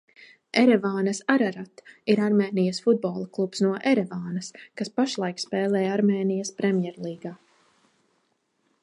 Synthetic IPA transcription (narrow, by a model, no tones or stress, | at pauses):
ɛɾɛvaːnɐsaɾaɾat̪iɾaɾmeːnijasfud̪̚bɔːlˠaklˠupsnuɔʔɛɾɛvaːnɐskaspaʃlˠajkspɛːlˠɛːjaɾmeːnijaspɾɛmʲjɛɾlˠiːɡaː